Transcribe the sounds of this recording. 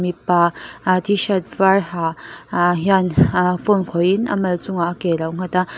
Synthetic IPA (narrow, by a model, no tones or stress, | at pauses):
mipatʰiʃat̚vaɾɦaɦjanponkʰɔjinɐ̰mɐlt͡suŋaːkelawŋ̥ata